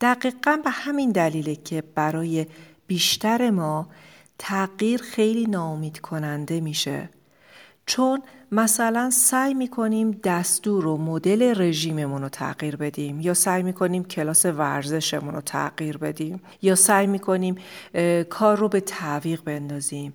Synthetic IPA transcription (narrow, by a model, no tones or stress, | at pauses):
d̪̥æɢiːɢænbe̞hæmind̪æliːlecʰe̞b̥æɾɒːje̞b̥iːʃt̪ʰæɾe̞mɒː | t̪ʰæɢiːɾxe̞jliːnɒːomiːd̪̥kʰo̞nænd̪e̞miːʃe̞̰ | t͡ʃʰonmæsælænsæːjmiːkʰo̞niːmd̪æst̪uːɾomod̪e̞le̞re̞ʒiːme̞munot̪ʰæ̰ɢ̥iːɾbe̞d̪imjɒːsæjmiːkʰo̞niːmcʰe̞lɒːse̞væɾze̞ʃe̞muno̰t̪ʰæ̰ɢ̥iːɾbe̞d̪iːm | jɒːsæːjmiːkʰo̞niːm | kʰɒːrːobe̞t̪ʰæviːɣbe̞nd̪ɒːzim